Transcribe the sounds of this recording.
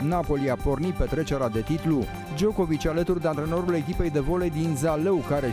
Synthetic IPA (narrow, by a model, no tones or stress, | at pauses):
napo̞liapo̞rnit̪̚pe̞t̪ɾe̞t͡ʃe̞ɾad̪e̞t̪it̪lu | d͡ʒo̞ko̞vit͡ʃʲalət̪urd̪eant̪ɾeno̞ɾule̞kʲipe̞jd̪e̞vo̞led̪inzalewkaɾe